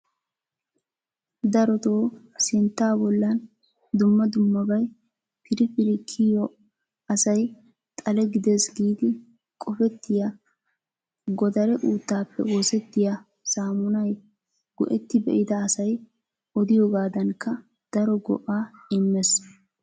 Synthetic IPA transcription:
d̪ɐɾɔt̪oː | sɪnt̪ːaːbɔlːɐn | d̪ʊmːɐd̪ʊmːɐbɐj | pʰɪɾɪpɪɾɪkʰːɪjɔ | ɐsɐj | t̪ʼɐlɛɡɪd̪ɛsɡiːd̪ɪ | kʼɔfɛt̪ːɪja | ɡɔd̪ɐɾɛʔuːt̪ːaːpːɛ̰woːsɛt̪ːɪja | saːmʊnɐj | ɡ̥ɔ̰ʔɛt̪ːɪbɛ̰ʔɪd̪ɐːsɐj | ʔɔd̪ɪjɔɡaːd̪ɐŋkːɐ | d̪̥ɐɾɔɡɔ̰ʔaːɪmːɛs

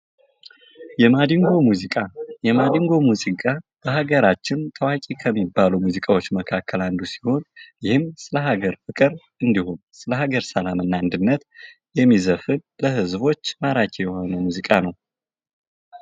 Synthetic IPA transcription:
jɛmad̪iŋɡo̞muzikʼajɛmad̪iŋɡo̞muzikʼab̥əhaɡəɾat͡ʃːɪnt̪ʰəwakʼikʰəmːibːalumuzikʼawo̞t͡ʃːməkʰakːəland̪usi̥ho̞njɪhɨmsɨləɦaɡəɾfɨkʼɨɾ | ɨnd̪iho̞nsɨləhaɡəɾsəlamɨnːand̪ɨnːət̪ | jɛmːizəfɨnləhɨzbo̞t͡ʃːmaɾakʼijɛho̞nəwmuzikʼanəw

